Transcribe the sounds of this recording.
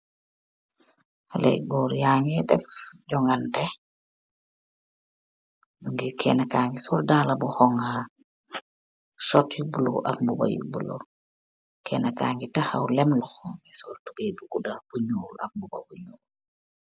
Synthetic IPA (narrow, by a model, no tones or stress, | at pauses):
halɛ̰jɡɔːɾjaːŋɛdɛfɟɔŋɡandɛ | uŋɡikʰɛnakaːŋɡisɔldaːlabuhɔŋaɾ | sɔtjubulo̰ʔa̰k̚mbuba̰jṵbulo̰ | kʰɛnakaːŋɡitaha̰wlɛmlɔxɔɡisɔltubebuɡudaɾb̥uɲuːlak̚mbuba̰buɲuː